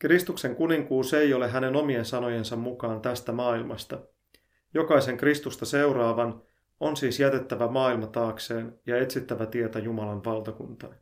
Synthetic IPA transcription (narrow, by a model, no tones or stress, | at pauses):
krist̪ukse̞ŋkuniŋkuːse̞jo̞leɦæne̞no̞mie̞nsɑno̞je̞nsɑmmukɑːnt̪æst̪æmɑːilmɑst̪ɑ | jo̞kɑjse̞ŋkrist̪ust̪ɑse̞wɾɑːʋɑn | o̞nsiːsjæt̪e̞t̪ːæʋæmɑːilmɑt̪ɑːkse̞ːnjɑe̞t̪sit̪ːæʋæt̪ie̞t̪æjumɑlɑnʋɑlˠt̪ɑkunt̪ɑː